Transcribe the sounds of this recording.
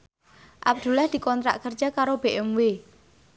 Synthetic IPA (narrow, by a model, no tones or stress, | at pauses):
ʔa̰b̚d̪̥ṳlahd̪̥i̤kɔnt̪ɾa̰ʔkərd͡ʒ̥akaɾob̥eʔɛmwe